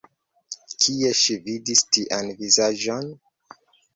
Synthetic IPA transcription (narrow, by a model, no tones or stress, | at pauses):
kʰieʃividistiʔanvizaʒon